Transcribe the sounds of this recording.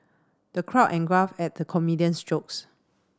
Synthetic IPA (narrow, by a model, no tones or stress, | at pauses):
d̥əkʰɹaʊʔɛ̃nɡɹafɛt̚dəkʰɔmidiə̃nsd͡ʒoks